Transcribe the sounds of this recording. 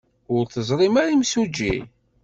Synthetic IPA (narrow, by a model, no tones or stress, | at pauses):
ʊɾθəzˤɾˤimæɾimsud͡ʒːḭ